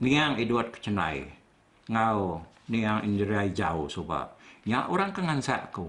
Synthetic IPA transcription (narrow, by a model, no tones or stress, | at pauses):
niaŋiduat̪̚kə̥t͡ʃəna̰i | ŋa | niaŋʔindiɾiaid͡ʒausoba̰ʔɲaʔuɾaŋkaŋansa̰ʔku